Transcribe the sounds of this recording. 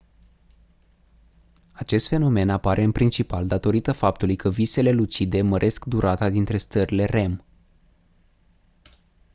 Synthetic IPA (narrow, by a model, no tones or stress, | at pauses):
at͡ʃe̞st̪fe̞no̞me̞napaɾʔe̞ɨnpɾint͡ʃipald̪at̪o̞ɾit̪əfap̚t̪ulujkəvise̞le̞lut͡ʃid̪e̞məɾʔe̞skd̪uɾʔat̪ad̪int̪ɾe̞st̪əɾile̞re̞m